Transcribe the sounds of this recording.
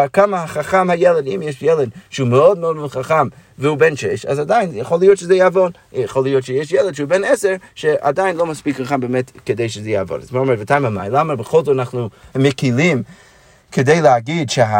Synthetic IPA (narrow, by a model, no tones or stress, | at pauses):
kamahaχaχamhajɛlˠədimjɛʃjɛlˠəd̚ʃəuməɔd̚məɔdmɪnχaχamvəhuːbɛnʃɛʃa̰zadaɪnjəχolˠijɔtʃəzɛjavɔn | əχolˠijɔtʃəjeʃjɛlˠəd̥ʃəuːbɛnɛsɛɹʃɛʔa̰daɪnlˠoʊmaspikχaχambemɛtkədeɪʃəzɛjavɔ̰na̰zmaomɛɾvətʰaɪ̃mama̰ɪlˠamabəχolˠzɔanaχnuməkilˠim | kʰədeɪləaɡidʃəa